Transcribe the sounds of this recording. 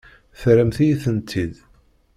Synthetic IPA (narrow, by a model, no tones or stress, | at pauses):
θɾəmθijiθənt̪ʰːid̪